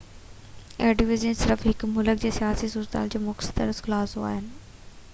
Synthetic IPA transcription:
eːɖiʋɪzənsɪɾəfɦɪkmʊlək̚d͡ʑeːsijaːsisuːɾt̪a̰ːld͡ʑoːmʊksə̥t̪əɾəsklaːsɦoa̰ːɦɪnɪ̆

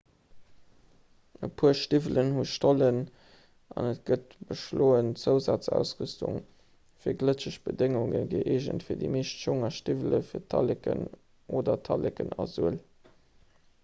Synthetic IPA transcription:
ʔəpʰuːɐʃtivələnhuʃtʰolən | ʔɑnət̚ɡ̥ət̚b̥əʃloːənt͡səʊzaːt͡sæ̰ʊsʁystʰṵŋ | fiːɐɡlət͡ɕəɕb̥ədeŋuŋə̰ɡiʔeːʒə̰ntfiːɐdḭmeːʃtʃoŋɐʃtivələfiːɐtʰɑlekə̰n | ʔoːdɐtʰɑlʔekənɑzyəl

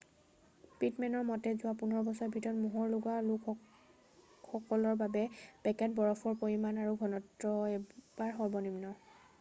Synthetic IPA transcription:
pitmɛnɔɹmɔtɛzʊwapunɔɹɔbɔsɔɛbʱitɔtmuɦɔɹlʊɡaluk | xɔkɔlɔɹbabɛb̥ɛkɛt̚bɔɹɔfʰɔɹpoɹimanaɹuɡʱɔnɔtɹɔɛbaɹxɔɹbɔnimnɔ

